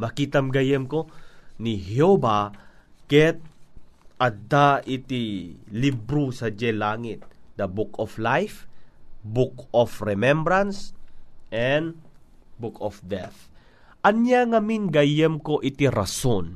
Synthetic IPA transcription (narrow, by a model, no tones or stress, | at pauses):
mɐkiːt̪ɐmɡɐjɛmkonihjoba | kɛt̪̚ʔɐd̪aʔit̪ilibɾusɐd͡ʒɛlaːŋɪt̪̚d̪ɐbukoflajf | bukofɾɛmɛmbɾɐnsʔɛnd̪ | bukofd̪ɛ̰θ | ʔɐnjaŋɐminɡɐjɛmkoʔɪt̪iɾɐson